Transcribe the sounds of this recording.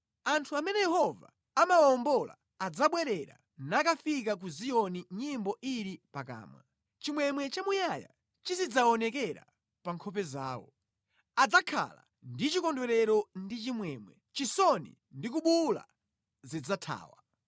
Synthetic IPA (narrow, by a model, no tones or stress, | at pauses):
antʰuamɛnɛjɛhɔva̰ | amawaɔmbɔla̰ːd͡zaɓwɛɾɛɾa̰ | nakafikak̬uzijɔniɲimbɔʔiɾipaka̰ːmwa̰ | t͡ʃimwɛmwɛt͡ʃamujaja̰ | t͡ʃisid͡zaɔnɛkɛɾa̰ | paŋkʰɔp̬ɛzaːwɔ̰ | ad͡zakʰa̰la̰ | ndit͡ʃikɔndwɛɾɛɾɔndit͡ʃimwɛmwɛ̰ | t͡ʃisɔnḭ | ndik̬uɓula̰ | zid͡zatʰa̰ːwa